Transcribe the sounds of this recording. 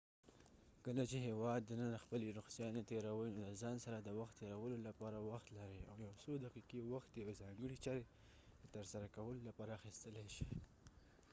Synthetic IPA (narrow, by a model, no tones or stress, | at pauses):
kəlat͡ʃeɦewɑd̪ːənənaxpəleɾʊxsjɑnet̪eɾawəjnod̪əzɑnsaɾad̪əwaxt̪ːeɾawəlolapɑɾawaxt̪laɾia̰wjawsod̪aqiqewaxt̪̚d̪jawezɑŋɡəɽit͡ʃɑɾe | d̪ət̪əɾsaɾakawəlolapɑɾaːxist̪əlaʃi̥